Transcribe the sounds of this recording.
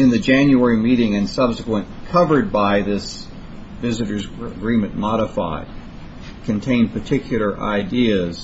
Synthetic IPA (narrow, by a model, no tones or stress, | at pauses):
ɨ̃nðɨd͡ʒæ̃njuɛɹimiɾɪ̃ŋɨ̃nsʌb̥sɨkwə̃n | kʰʌvə˞d̚baɪðɪs | vɪzɨɾə˞zɡɹĩmɨ̃nmɑɾəfa̰ɪd̚ | kʰɨ̃ntʰẽɪ̃npʰə˞tʰɪkʰjl̩ˠə˞ʔa̰ɪdiɨz̥